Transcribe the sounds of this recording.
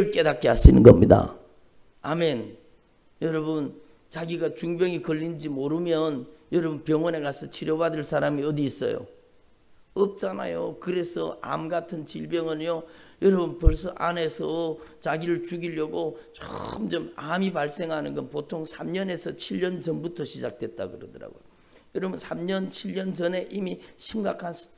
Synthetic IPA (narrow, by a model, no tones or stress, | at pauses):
ɯɭk͈e̞dak̚k͈eɦaɕ͈inɯnɡʌ̰mɲida̰ | ame̞n | jʌɾʌbɯn | t͡ɕaɡiɡat͡ɕuŋbjʌŋikʌʎːind͡ʑimoɾɯmjʌnjʌɾʌbunpjʌŋwʌnekasʰʌt͡ɕʰiɾjʌbadɯɭs͈ʰaɾamiʌdiːs͈ʌ̰jo̰ | ʌp̚t͡ɕ͈ana̰jo̰kɯɾe̞sʰʌ̰a̰mɡatʰɯnt͡ɕiɭbjʌŋɯnjojʌɾʌbɯnpʌɭs̬͈ʌʔane̞sʰʌt͡ɕaɡiɾɯɭt͡ɕuɡiʎːʌɡot͡ɕoɯmd͡ʑʌmamipaɭs͈e̞ŋɦanɯnɡʌnpotʰoŋsʰamɲʌne̞sʰʌt͡ɕʰiʎːʌnd͡ʑʌnbutʰʌɕʰid͡ʑak̚twe̞t̚t͈a̰kɯɾʌdɯɾa̰ɡo̰jo | jʌɾʌbɯnsʰamɲʌnt͡ɕʰiʎːʌnd͡ʑʌne̞ʔimiɕʰimɡakʰan